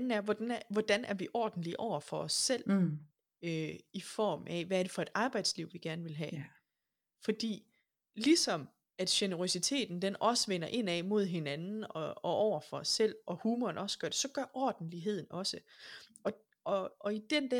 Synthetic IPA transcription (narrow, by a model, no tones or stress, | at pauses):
nn̩æɐʋɒd̥nʋɒd̥ænæɐʋiʔɒ̰ːd̥n̩liʔɒʊ̰ɐfɒ̽ɒ̽sːel̰ | øifɒ̰ːmʔɛʋæɐɾ̥e̝fɒ̽e̝d̥ɑ̈ːb̥ɑ̈ɪd̥sliʊ̰ʋiɡ̥æɐnəʋe̝lɦɛ̰ | fɒ̽d̥ḭː | lisɒ̽m | æd̥ɕenəʁo̝sit͡sʰe̝̰ːd̥n̩d̥enɒ̽səʋen̰ɐʔe̝nɛmo̝ð̞̰ˠɦe̝nænnn̩ɒɒ̽ʔɒʊ̰ɐfɒ̽ɒsːel̰ɒ̽huːmɒnɒ̽səɡ̥ɶɐd̥e̝sɒ̽ɡ̥ɶɐʔɒ̰ːd̥n̩liɦe̝ð̞̰ˠn̩ɒ̽səɒ̽ | ɒ̽ɒ̽id̥end̥æ